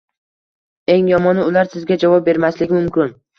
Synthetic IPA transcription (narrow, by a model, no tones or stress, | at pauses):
e̞ŋjɒmɒnɪʊlaɾsɪzɡʲad͡ʒavɒp̚be̞ɾmaslɪɡʲɪmʊmkʲɪn